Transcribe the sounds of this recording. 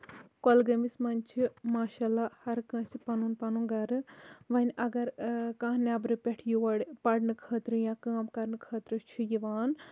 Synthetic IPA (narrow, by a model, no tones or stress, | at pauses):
kolɡɐmismɐnʲt͡ʃʰimaːʃaːlːahɐɾkɐ̃ːsipɐnunpɐnunɡɐɾɨʋɐnʲʔɐɡɐɾkãːɦnaːbɾɨpʲeʈʰjuʋɐɽpɐɽnɨkʰəːt̪ɾɨjãːkãːmkɐɾnɨkʰɐːt̪ɾɨt͡ʃʰijiʋaːn